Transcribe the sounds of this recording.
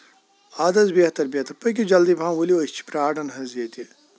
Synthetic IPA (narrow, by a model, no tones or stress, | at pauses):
aːd̪ɐzbeɦt̪ɐɾbʲeht̪ɐɾpɐjk̬ʲid͡ʒɐld̪ibʱãːmwɐlit͡ʃʰi̥pɾaːɖɐnɦɐzjɐt̪i